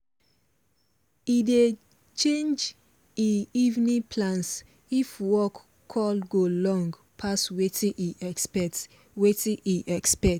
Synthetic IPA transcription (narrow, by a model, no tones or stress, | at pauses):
ide | t͡ʃẽnd͡ʒ | iivnĩpʰlãns | ifwɔkːʰ | ɔlɡolɔ̃ŋɡ | pʰaswetʰĩʔiɛspɛt | wetĩʔiʔɛkspɛt